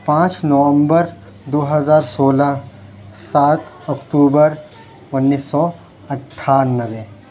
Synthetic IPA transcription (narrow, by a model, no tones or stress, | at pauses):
pãːt͡ʃnɔʋə̃mbəɾ | d̪oːɦəzaːɾsoːla | saːt̪ | ɐkʈuːbəɾ | ʊnːiːsːɔ | ɐʈʰːaːɾnəʋẽ